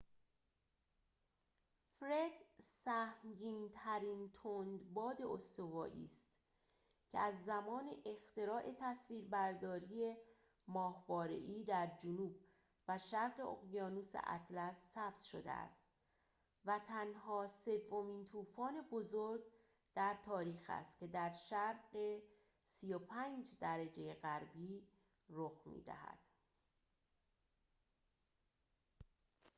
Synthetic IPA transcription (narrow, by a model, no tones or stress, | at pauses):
fɾe̞d̪̥sæhmɟiːnt̪ʰæɾiːnt̪ʰond̪bɒːd̪e̞ost̪o̞vɒːʔḭːst̪ | cʰḛæzːæmɒːneʔext̪e̞ɾɒːʔe̞t̪ʰæsviːɾbæɾd̪ɒːɾije | mɒːhvɒːɾe̞̰ʔiːd̪æɾd͡ʒonuːb̚ | væʃæɾɢeo̰ɣjɒːnusḛʔæ̰t̪ʰlæsːæb̥t̪ʃo̞̰d̪ḛæ̰st̪ | væt̪ʰænɦɒːse̞vːo̞miːnt̪ʰuːfɒːne̞bo̞zoɾɡ | d̪̥æɾt̪ʰɒːɾiːxæ̰st̪cʲʰe̞d̪æɾʃæɾɢe̞ | sijo̞pʰæːnd͡ʒd̪æɾæd͡ʒe̞jeɢæɾbiː | roxmḭːd̪æ̰hæ̰d̪̥